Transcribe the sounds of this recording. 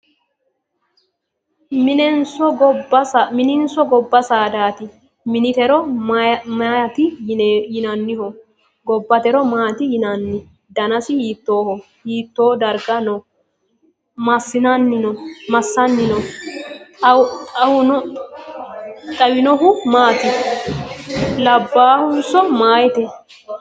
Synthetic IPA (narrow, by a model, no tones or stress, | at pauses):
mɪnɛnsɔɡɔɐsamɪnɪnsɔɡɔbːɐsaːd̪aːt̪ɪ | mɪnɪt̪ɛɾɔ | mɐt̪ɪjɪnɐnːɪhɔ | ɡɔbːɐt̪ɛɾɔmaːt̪ɪjɪnɐnːɪ | d̪ɐnɐsɪhiːt̪ːoːhɔ | hiːt̪ːoːd̪ɐɾɡɐnɔ | mɐsːɪnɐnːɪnɔmɐsːɐnːɪnɔ | ɐɐhʊnɔ | t̪ʼɐwɪnɔɦʊmaːt̪ɪ | lɐbːaːhʊnsɔmaːjt̪ɛ